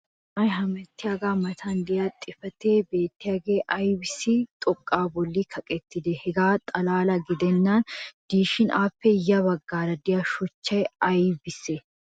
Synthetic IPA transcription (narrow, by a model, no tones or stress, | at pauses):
mɐjɦɐmɛt̪ːɪjaːɡaːmɐt̪ʰɐnd̪ɪjaːt̪ʼːɪfɐt̪eːbe̞ːt̪ːɪjaːɡeːʔɐjbɪsɪt̪ʼɔkʼːaːbɔlːikʰɐkʼɛt̪ːɪd̪ɛhɛɡaːt̪ʼɐlaːlɐɡɪd̪ɛnːand̪̥iːʃɪnʔaːpːɛjɐβɐɡːaːɾɐd̪ɪjɐʃɔt͡ʃːɐjɐjbɪsːe